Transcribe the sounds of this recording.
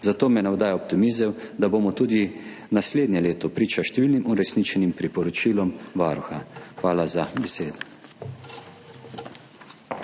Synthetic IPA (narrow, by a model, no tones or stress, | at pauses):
zat̪oːmɛnawd̪aːjɔp̚t̪imizɛwd̪aboːmɔt̪uːd̪i | nasleːd̪nɲɛleːt̪ɔpɾiːt͡ʃaʃt̪ɛʋiːlnimuɾɛsnit͡ʃɛnimpɾipɔɾɔt͡ʃiːlɔmʋaɾuxaxʋaːlazabɛseːd̪ɔ